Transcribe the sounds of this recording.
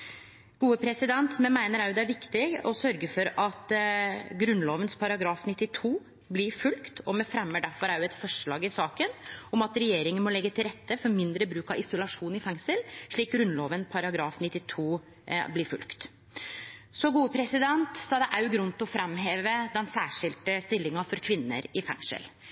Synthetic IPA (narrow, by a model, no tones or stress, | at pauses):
ɡ̥uːəpʰɾɛsɪd̪ɛnt̪mɛnmæɪnəɾæɾjʊd̪ɛæɾʋɪkt̪ɪɡɔsœɾɡəfɔɾɑt̪ɡɾʉnloːʋənspʰɑɾɑɡɾɑːfnɪt̪ːɪt̪ʰuː | blɪɾfʉlkt̪ʰɔmɛfɾɛmːəɖæɾfɔɾæɾjʉɛt̪fɔʂɭɑːɡɪsɑːkənɔmɑt̪ɾɛjeːɾɪŋənmɔlɛɡːət̪ʰɪlɾɛt̪ːəfɔɾmɪnd̪ɾəbɾʉːkɑʋɪsʊlɑʂuːnɪfɛŋsəlʂɭiːk̚ɡɾʉnloːʋənpʰɑɾɑɡɾɑːfnɪt̪ːɪt̪ʰuː | blɪɾfʉ̰lkt̪ | sɔɡuːəpʰɾɛsɪd̪ɛnt̪sɑːd̪ɛʔæɾjʉɡɾʉnt̪ɔfɾɛmɦeːʋəd̪ɛnsæːʂɪlt̪əst̪ɪlːɪŋɑfɔɾkʰʋɪnːə̰ɾɪfɛ̰ŋsə̰l